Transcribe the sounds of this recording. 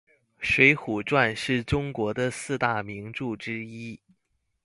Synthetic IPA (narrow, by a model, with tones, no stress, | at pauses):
ʂwe˧˥ɪxu˨˩ʈ͡ʂwa˥˧nʂɻ̩˥˩ʈ͡ʂʊ˥ŋkwɔ˧˥d̪ə˧sɹ̩˥˧t̪a˥˩mi˧˥ŋʈ͡ʂu˥˩ʈ͡ʂɻ̩˥i˥